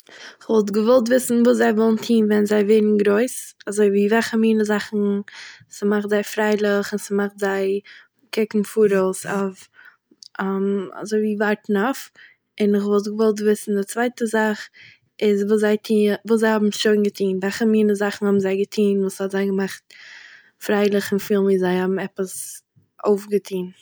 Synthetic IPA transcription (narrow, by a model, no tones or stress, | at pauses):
ɪχvɔlˠt̬ɡəvɔlˠt̬vɪsn̩vuːs̬zaɪvɔlˠn̩tʰiːnvɛnzaɪveɪɾn̩ɡɾoɪsazoɪviːvɛlχəmiːnəzaχn̩simaχtzaɪfɾaɪlˠɪχɪnsɪmaχtzaɪ | kɪkn̩fuːɾolsɔf | ama̰zoɪviːvaɾtn̩ɔf | ɪnɪχvɔlˠt̬ɡvɔlˠt̬vɪsn̩dɪt͡svaɪtəzaχ | ɪzvuːszaɪtʰiːvuːs̬zaɪhɔbm̩ʃoɪnɡətʰiːnvɛlˠχəmiːnəzaχn̩hɔbm̩zaɪɡətʰiːnvuːshɔtzaɪɡəmaχt̚ | fɾaɪlˠəχɪnfiːlˠnviːzaɪhɔbm̩ɛpəs | ʔo̰ʊfɡətʰiːn